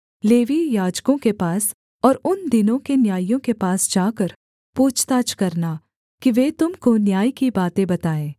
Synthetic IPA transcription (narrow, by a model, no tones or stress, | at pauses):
leːʋijaːd͡ʒkõkepaːs | ɔːɾʊnd̪ɪnõkenjaːijõkepaːsd͡ʒaːkəɾ | puːt͡ʃʰt̪aːt͡ʃkɐɾna | kiʋeːt̪ʊmkonjaːikibaːt̪ẽbɐt̪aːẽː